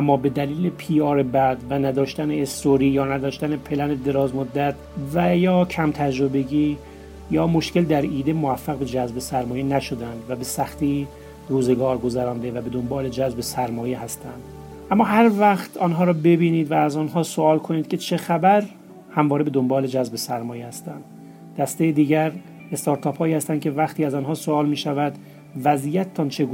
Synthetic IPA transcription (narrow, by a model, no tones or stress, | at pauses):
ʔæmːɒːbe̞d̪æliːlepʰiːɒːɾe̞bæd̪vænæd̪ɒːʃt̪æneːst̪oɾiːjɒːnæd̪ɒːʃt̪ænepʰe̞læned̪e̞ɾɒːzmod̪ːæt̪̚ʰvæjɒːcʰæmt̪ʰæd͡ʒɾobe̞ɟiː | jɒːmo̞ʃce̞ld̪æɾiːd̪e̞moæfːæɣbe̞d͡ʒæzbe̞sæɾmɒːje̞næʃod̪ænd̪væbe̞sæxt̪iː | ɾuːze̞ɡɒːɾɡo̞zæɾɒːnd̪e̞væbe̞d̪o̞mbɒːle̞d͡ʒæzbe̞sæɾmɒːje̞ɦæst̪ʰæ̰nd̪̥ | ʔæmːɒːɦæɾvæχt̪ʰɒːnɦɒːɾɒːbe̞biːniːd̪væːzɒnɦɒːsoɒːlkʰoniːd̪̥̚kʲʰe̞t͡ʃʰe̞xæbæɾ | hæmvɒːɾebe̞d̪ombɒːled͡ʒæzbe̞sæɾmɒːjehæst̪ænd̪̥ | d̪̥æst̪ejed̪iːɟæɾ | e̞st̪ɒːɾt̪ʰɒːphɒːiːhæst̪æn̥cʰe̞væxt̪iːæzɒnɦɒːsoɒːlmiːʃævæd̪ | væziːjæt̪ʰt̪ʰɒnt͡ʃʰeɡu